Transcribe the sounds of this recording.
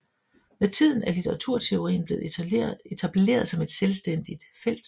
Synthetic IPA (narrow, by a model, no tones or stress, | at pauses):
met͡sʰið̞̰ˠn̩æɐlit͡sʰeʁɑ̈t͡sʰuɐ̰t͡sʰe̝o̝ʁḭːnble̝ːð̩ˠe̝t͡sʰæb̥le̝̰ːɐðˠsɒ̽me̝d̥selsd̥en̰d̥id̥fel̰d̥